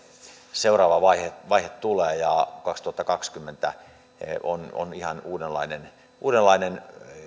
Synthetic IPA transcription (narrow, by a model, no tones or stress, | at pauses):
seurɑːʋɑʋɑiheʋɑihet̪t̪uleːjɑkɑkst̪uhɑt̪ːɑkɑkskymːent̪æ̰ | ono̰nihɑnuːdelːɑ̰inen | uːdelːɑinen